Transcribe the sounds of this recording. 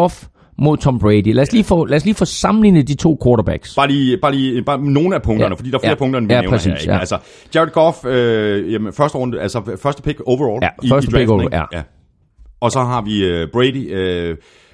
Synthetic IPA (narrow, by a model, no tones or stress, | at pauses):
ɔf | mo̝ð̞ˠt͡sʰɒ̽mb̥ʁeɪdilæ̰ɐsliːfɔ̰̽læɐsliːfɒ̽sɑ̈mn̩liːnəd̥it͡sʰo̝̰ːkʰoːɾɐb̥æɡ̥sb̥ɑ̈ːliːb̥ɑ̈ːliːb̥ɑ̈ːno̝ːnəæpʰɔ̽ŋd̥ɐnəfɒd̥ḭdɑfeɐpʰɔ̽ŋd̥ɐnəʋæneʁsḭːseɡjæælsɐ | ɡ̥æʁɐd̥̚ɡ̥ɔføjemnfɶɐsd̥əʁɔ̽n̰d̥əælsɒfɶɐsd̥əpʰe̝ɡ̥oʊʋɐɒːljæfɶɐsdə̥eɡojæ̰jæ | ʔɒ̽sɒ̽ɦɑ̈ʋiøb̥ʁed̥iø